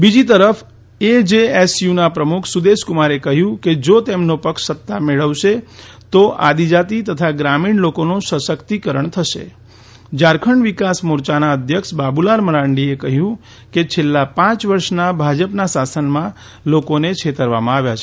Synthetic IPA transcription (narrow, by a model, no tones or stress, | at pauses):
bid͡ʒit̪əɾəfʰ | ed͡ʒeesjunapɾəmukʰsud̪eʃkumaɾekəɦjũked͡ʒot̪emnopəkʃsət̪ːameɭəʋʃet̪oʔad̪id͡ʒat̪it̪ət̪ʰaɡɾamiɳlokonõsəsəkt̪ikəɾəɳt̪ʰəʃḛ | d͡ʒaɾkʰəɳʋikasmʊɾt͡ʃanaəd̪ʱjəkʃbabulaɾməɾãɳɖiekəɦjũ | ket͡ʃʰelːapãt͡ʃʋəɾʃnabʱad͡ʒəpnasasənmã | lokonet͡ʃʰet̪əɾʋamãaʋjat͡ʃʰe